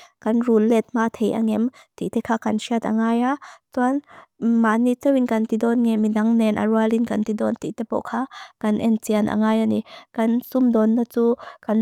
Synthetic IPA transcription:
kɐnrulːɛt̪̚maːt̪ʰejʔa̰ŋɛmt̪ḭt̪ɛkʰaːkɐnsiɐt̪̚a̰ŋaːjatuanmaːnit͡sɛwinkɐnt̪idɔnŋɛmːinaŋnɛnʔa̰ɾualinkant̪idɔnt̪ḭʔt̪ɛpɔ̰ʔkʰaːkɐnʔɛnt͡sianʔa̰ŋaːjʔanikɐnsumdɔnːat͡sukan

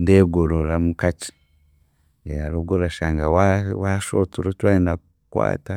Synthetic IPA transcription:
ndeɡoɾoɾamukat͡ʃi̥ | jaaɾoɡoɾaʃaŋɡawawaʃotuɾot͡ʃwaina | kwa̰ːta

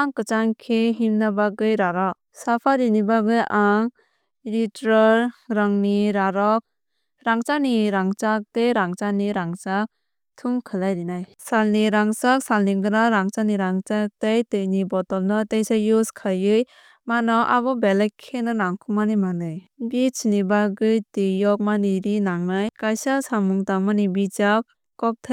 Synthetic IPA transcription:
aŋkɯt͡ʃaŋkʰeɦimnabaɡɯjɾaɾɔk̚sapʰaɾinibaɡɯjʔaŋ | ɾitɾɔɾɾaŋniɾaɾɔk̚ | ɾaŋt͡ʃaniɾaŋt͡ʃak̚tejɾaŋt͡ʃaniɾaŋt͡ʃak̚ | tʰuŋkʰɯlajɾinaj | salniɾaŋsak̚salniŋɡɯnaɾaŋt͡ʃaniɾaŋt͡ʃak̚tejtɯjnibɔtɔlnɯtejsajuskʰajɯj | manɔʔa̰bɔbelajkʰenɯnaŋkʰumanɯmanɯjbit͡ʃʰinibaɡɯjtɯjɔk̚maniɾinaŋnajkajsasamuŋtamanibit͡ʃak̚ | kɔk̚tʰa

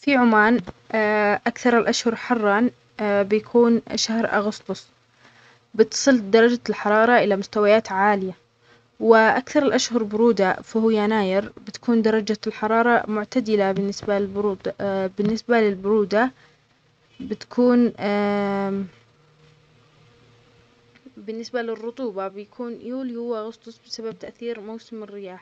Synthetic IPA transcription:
fiʕʊmaːn | ʔakθɑɾˤɪlʔaʃhʊɾˤħɑrˤːɑn | bjakʰuːnʃahɾʔa̰ɣʊst̪ʊsˤ | bɪt̪sˤɨld̪ɑɾˤɑd͡ʒalħɑɾˤɑːɾˤɑʔɪlamʊst̪awajaːt̪ʕaːlɪja | wɪʔakθɑɾˤɪlʔaʃhʊɾˤbʊɾuːd̪afahʊjːanaːjɪɾbɪt̪ḁkuːnd̪ɑɾˤɑd͡ʒalħɑɾˤɑːɾˤɑmʊʕt̪ad̪ɪlabɪnːɪsbaɪbɾuːd̪bɪnːɪsbalɪlbʊɾuːd̪a | bɪt̪ḁkʰuːn | bɪnːɪsbalɪrːʊt̪ˤuːbɑbɪjakʰuːnjuːljuʊaɣʊsˤt̪ˤʊsˤbɪsabab̚t̪aʔθiːɾmawsɪmɪrːɪjaːħ

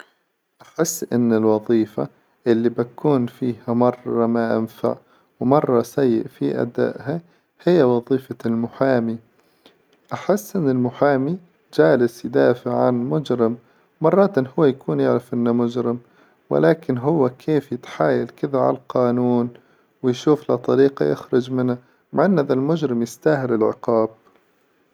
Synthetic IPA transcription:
ʔaħɪsːʔɪnːɪlwɑðˤiːfa̰ | ʔɪlːibakuːnfiːhamɑrˤːɑmaʔa̰mfa̰ʕ | wmɑrˤːɑsajːɪ̰ʔfiʔa̰d̪a̰ːʔha | hɪjːawɑðˤiːfalmʊħaːmi | ʔaħɪsːʔɪnːɪlmʊħaːmi | d͡ʒaːlɪsjd̪aːfɪʕʕanmʊd͡ʒɾɪm | mɑrˤːɑːt̪nhʊwːajakʰuːnjaʕɾɪfʔɪnːamʊd͡ʒɾɪm | wɪ̰laːkɪnɦʊwːakʰeːfjɪt̪ħaːjalkɪðaʕa̰llqɑːnuːn | wɪjʃuːflat̪ˤɑɾiːqɑ̰jɪ̰xɾɪd͡ʒmɪnːa | maʕʔɪnːʔaðalmʊd͡ʒɾɪmjɪst̪aːhɪlɪlʕɪ̰qɑːb̚

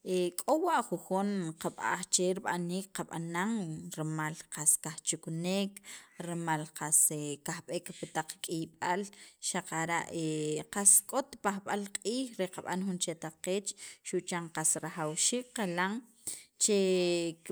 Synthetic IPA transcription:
ekʼowaʔχuxunqaɓa̰χt͡ʃeɾiɓaniːk̚qaɓa̰naŋɾemalqaskaχt͡ʃuknekɾemalqasekaxɓekpit̪aq͡χkʼijɓalʃaqaɾa̰ʔeqaskʼot̪paxɓalqʼiːxɾeqaɓa̰nxunt͡ʃet̪aqeːt͡ʃʃuʔt͡ʃaŋqasɾaχawʃiːk̚qalaŋ | t͡ʃe

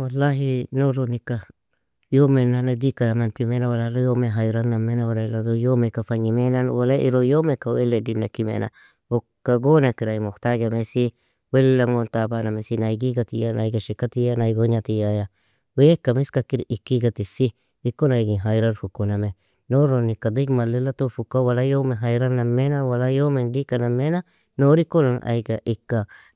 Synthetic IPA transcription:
walːaɦinoɾonika | jomenanad̪ikaamant̪imenawalaɾojomeɦajɾanːamːenawalalaɾojomekafaɲimenanwalaʔḭɾojomekaweledinakimḛna̰ | o | kːaɡonakiɾaimoht̪aɡamesi | wellaŋont̪abanamesinajɡiɡat̪ijana̰jɡaʃikːat̪ijanajɡoɲat̪ijaja | wejekːamiskakiɾikːiɡat̪isi | ɾikonajɡiɦajɾaɾfukːoname | noɾonikad̪ikmalelat̪ofukːawalajomeɦajɾanamenawalajomendikanamena | noɾikːonanʔa̰jɡaʔikːa

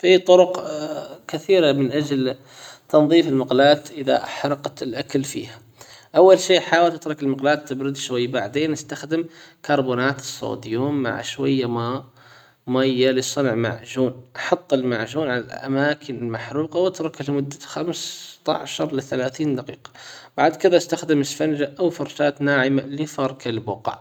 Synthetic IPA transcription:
fit̪ˤʊɾʊqkɪθiːɾamɪnʔad͡ʒl | t̪ɑnðˤiːfɪlmaqlaːt̪ʔɪða̰ħɾˤɑqt̪ɪlʔakalfḭːha | ʔawːalʃiːħaːwɪlt̪ɪt̪ɾˤɑkɪlmɑqlaːt̪ːɪbɾɪd̪ʃwajːbaʕd̪eːnʔɪst̪axd̪ɪmkɑɾˤbuːnaːt̪ɨ̥sˤːo̰ːd̪juːmːa̰ʕʃwajːama | majːalisˤɨnʕma̰ʕʒuːnʔɑ̥ħɑt̪ˤːɪlmaʕʒuːnʕala̰lʔa̰maːkʰɪnɪlmaħɾuːqɑwʔat̪ɾˤɑkɪlmʊd̪ːḁxamst̪a̰ʕʃɑɾˤlɪθalaːθiːnd̪aqiːqɑ̥b̥aʕd̪kɪðaʔast̪axd̪ɪmɪsfand͡ʒaʔawfʊɾˤʃaːt̪naːʕɪmalɪfɑɾˤkʰalbʊqa̰

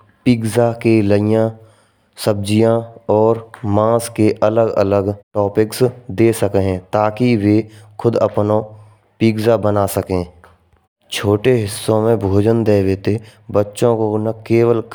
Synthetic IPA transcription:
piːɡzakeləɪjã | səb̚d͡ʒijãɔːɾmãːskeʔələɡə̰ləɡʈɔːpɪksd̪eːsəkɦɛ̃t̪aːkiʋekʰʊd̪əpno | piːɡzabənasəkẽː | t͡ʃʰoːʈeɦɪsːõmẽbʱoːd͡ʒənd̪eːʋeːt̪ebətːʃõkonəkeːwəl

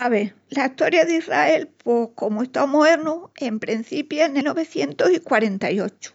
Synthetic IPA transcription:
aβe | laiht̪o̞ɾjaðira̰e̞lpwehko̞moest̪aomoβeɾnuempɾen̟θipjaneno̞βe̞θje̞nt̪osikwaɾe̞nt̪ajo̞t͡ʃu̥

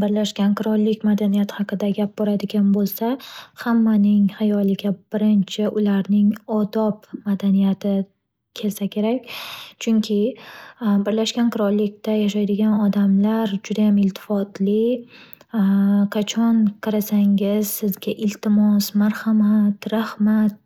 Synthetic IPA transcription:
bɪɾlaʃkʲanqʰɨɾɒlːɪkʲmad̪anijat̪ʰɪ̥hɑqɨd̪aɡʲap̚bɒɾad̪ɪɡʲanbolˠsahamːanɪŋhajɒlɪɡʲab̥ɪɾɪnt͡ʃʰɪʔʊlaɾnɪŋɒd̪ɒpmad̪anijat̪ʰɪ | kʲʰe̞lsakʲʰe̞ɾakʲt͡ʃʰʊŋkʲʰɪ | bɪɾlaʃɡʲanqʰɨɾɒllːɪk̚ʲt̪ajaʃ̬ajd̪ɪɡʲanɒd̪amlaɾd͡ʒʊd̪ajamɪlt̪ʰɪ̥fɒt̪lɪ | qʰat͡ʃʰɒnqʰɑɾasaŋʲɪz̥sɪzɡʲaʔɪlt̪ʰɪmɒsmaɾhamat̪ɾahmat̪̚

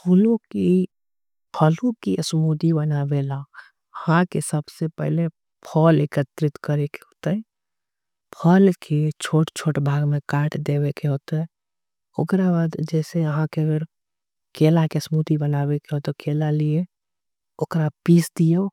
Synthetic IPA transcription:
pʰuːlõki | pʰəlõkiəsmud̪ibənaːbela | əhãkesəbsepɛ̰ɦle | pʰɔːlekət̪ɾɪt̪kəɾekeɦoːt̪aɦɛ | pʰəlkʰet͡ʃʰoːʈt͡ʃʰoːʈbʱaːɡmẽkaːʈʰd̪eːwekeɦoːt̪eɛ | o̰kɾabad̪d͡ʒɛːseəɦãkeəɡəɾ | keːlakeəsmud̪ibənaːwekeɦot̪ekeːlalie | ʊkɾapiːsd̪ija

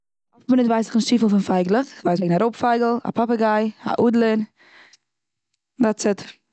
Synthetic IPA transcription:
ɔfmɪnɪtvaɪs̬ɪχɪnʃiːfl̩ˠfɪnfaɪɡlˠəχvaɪs̬ɡnaɾoʊpfaɪɡl̩ˠa̰pʰapəɡaɪa̰ʔuːdlˠɪn | dat͡sɪt

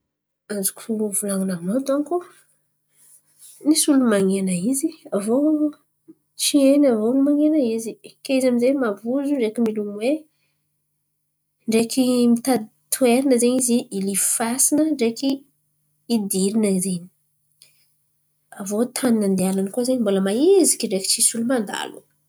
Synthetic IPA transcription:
azukʲuvulaŋinamat̪anku | nisulumaŋenəiziavo | t͡ʃienavonimaŋenəizikeizaminzemavuzuɳɖ͡ʐekimilumwe | ɳɖ͡ʐekʰimit̪a | t̪ʰueɾinəzeɲiziːlifasinəɳɖ͡ʐekiː | d̪iɾinəzeɲi̥ | avot̪ʰaninand̪eananəkozeɲimboləmaezikʲiɳɖ͡ʐeki̥t͡ʃisulumand̪a̰lṵ

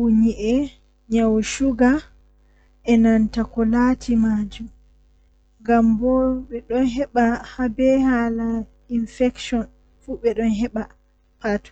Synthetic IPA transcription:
uɲiʔɛ | ɲawʃuɡa | ʔɛnantakɔlaːtʰimad͡ʒum | ŋɡambɔɓɛɗɔnɦɛɓahabɛhala | infɛkʃɔn | fuːɓɛɗɔnɦɛɓa | patu̥

